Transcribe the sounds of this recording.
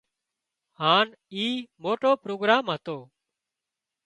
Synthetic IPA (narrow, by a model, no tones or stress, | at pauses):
haːn | iːmoːʈoːpɾoːɡɾaːmɦət̪oː